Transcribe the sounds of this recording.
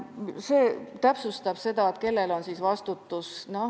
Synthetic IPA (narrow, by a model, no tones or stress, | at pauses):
seːt̪æpsust̪ɑb̥se̞d̪̥ɑet̪ke̞lːe̞lo̞nsisvɑst̪ut̪ːusno̞